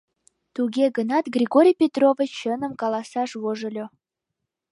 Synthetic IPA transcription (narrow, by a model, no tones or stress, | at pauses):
t̪uɣʲeɣənɑt̪ɡrʲiɣoɾʲijpʲet̪rovət͡ɕənə̆mkɑlɑsɑʃβoʒəlʲo